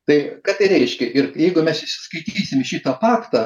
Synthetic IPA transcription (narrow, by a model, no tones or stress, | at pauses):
t̪ɐɪkɑːt̪ɐɪɾʲɛɪʃʲkʲɛʔɪrjɛɪɡʊmʲɛsɪʃʲsʲɪ̥skɐɪt̪ʲiːsʲɪmɪʃʲiːt̪ɐpɑːkt̪ɐ